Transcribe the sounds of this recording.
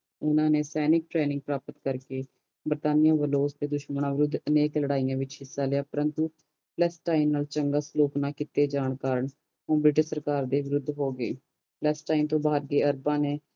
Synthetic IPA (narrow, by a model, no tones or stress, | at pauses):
ʊnãːneːsɛːnɪk̚ʈɾeːnɪ̃ŋɡ̚pɾaːpət̪kəɾkeː | bəɾt̪aːnɪjãːʋəloːst̪eːd̪ʊʃməɳãːʋɪɾʊd̪ʱːəneːkləɽaːijãːʋɪt͡ʃɦɪsːaːlɪjaːpəɾənt̪u | plɛːsʈaːinːaːlt͡ʃəŋɡaːsloːknaːkɪt̪eːd͡ʒaːɳkaːɾəɳ | õːbɾɪʈəʃsəɾkaːɾd̪eːʋɪɾʊd̪ʱːɦoːɡəḛː | plɛːsʈaːint̪õːbaːɾɡeːəɾbãːneː